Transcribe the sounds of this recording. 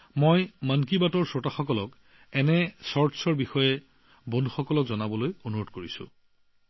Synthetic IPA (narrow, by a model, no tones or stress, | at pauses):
mojmank̬ibatɔɹsotaxɔkɔlɔk | ɛnɛsɔɹtsɔɹbixɔjɛ | bondʱuxɔkɔlɔkzɔnabɔlojonuɹodkoɹisʊ̰̃